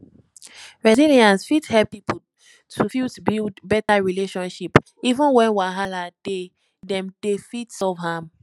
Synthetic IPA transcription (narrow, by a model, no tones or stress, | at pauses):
ɹɛziliãnsfithɛlpːip̩ | tʰufitbildbɛtaɹileʃɔ̃nʃip | ivə̃nwɛ̃nwaɦalad̥e | dɛ̃mdefitsɔvhãm